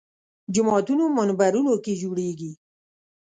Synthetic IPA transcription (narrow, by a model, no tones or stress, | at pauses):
d͡ʒʊmɔt̪unomanbaɾunoked͡ʒuɽeɡi